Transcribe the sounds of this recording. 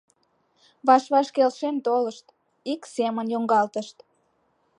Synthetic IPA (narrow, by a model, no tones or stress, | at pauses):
βɑʃβɑʃkelʃent̪oləʃt̪ | iksemənjoŋɡɑlt̪əʃt̪